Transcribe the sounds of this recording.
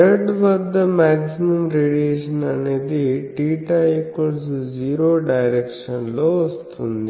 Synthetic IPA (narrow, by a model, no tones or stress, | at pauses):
əɖʋəd̪əmɛksimɐmɾeɖieʃənaned̪iʈiʈaekʋəɭs̬uziɾoɖajɾekʃənloːst̪ɦũnd̪i